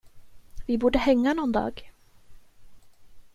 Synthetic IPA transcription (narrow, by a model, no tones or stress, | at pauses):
vɪbuːɖəhɛŋːanɔnd̪ɑ̰ːɡ